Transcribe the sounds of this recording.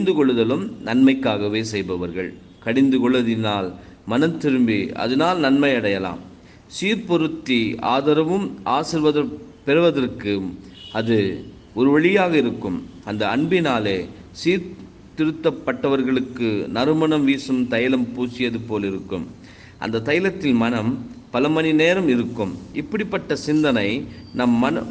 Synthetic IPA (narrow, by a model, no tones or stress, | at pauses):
ɪnd̪ɯkɔɭːɯðɐlɯmnɐnmɐɪkːaːɣɐʋeːsɛjbɐʋɐɾɣɐɭ | kɐɽɪnd̪ɯkɔɭːɐðɪnaːl | mɐnɐmt̪ːɪɾɯmbiɐ̰ðɐnaːlnɐnmɐɪɐɽɐjɐla̰ːm | siːɾpɔɾɯt̪ːia̰ːðɐɾɐʋɯmʔaːsɪɾʋɐðɐɾpɛɾɯʋɐðɐrkɯ | ɐðɯ | ɔɾɯʋɐɭɪjaːɣɐɪɾɯkːɯmɐnd̪ɐɐɳbɪnaːleːsiːɾ | t̪ɪɾɯt̪ːɐpːɐʈːɐʋɐɾɣɐɭɯkːɯnɐɾɯmɐnɐmʋiːsɯmt̪ɐjɐlɐmpuːsɪjɐðɯpoːlɪɾɯkːɯm | ʔɐ̰nd̪ɐt̪ɐjɐlɐt̪ːɪlmɐnɐmpɐlɐmɐnineːɾɐmɪɾɯkːɯmɪpːɐɽɪpːɐʈːɐsɪnd̪ɐnɐɪnɐmːɐnɐ